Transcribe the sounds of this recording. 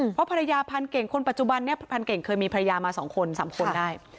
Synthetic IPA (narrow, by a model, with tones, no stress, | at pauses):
pʰɔ˦˥pʰa˧a˧jaː˧pʰa˧nke˨˩ŋkʰo˧npa˨˩t̪̚t͡ɕu˨˩ba˧nːi˥˩ɐpʰa˧nke˨˩ŋkʰɤː˧jmiː˧pʰa˧ɾa˧jaː˧maː˧sɔː˩˦ŋkʰo˧nsaː˩˦mkʰo˧n˧daː˥˩j